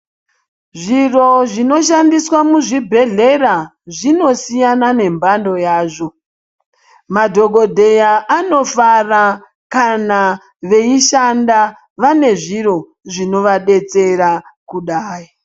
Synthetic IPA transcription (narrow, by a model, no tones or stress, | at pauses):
ʐiro̞ʐino̞ʃ̬andiswamuʐibʱe̞ɮe̞ɾa | ʐino̞sijanane̞mbando̞jaːʐo̞ | madʱo̞ɡʱo̞dʱe̞jaʔano̞fara | kana | ʋe̞iʃanda | ʋane̞ʐiɾo̞ | ʐino̞ʋaɗe̞t͡se̞ɾakuɗaːji